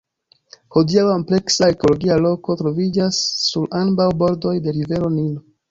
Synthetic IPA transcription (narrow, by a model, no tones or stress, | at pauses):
hodiawomple̞ksae̞ko̞lo̞ɡialo̞ko̞tɾo̞vid͡ʒasːuɾanbawbo̞ɾdo̞jde̞ɾive̞ɾo̞nino